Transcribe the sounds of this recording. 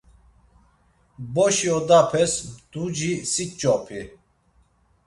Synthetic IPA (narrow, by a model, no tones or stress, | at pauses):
bɔʃiɔd̪apʰɛsd̪̥ud͡ʒisit͡ʃʼːɔpʰi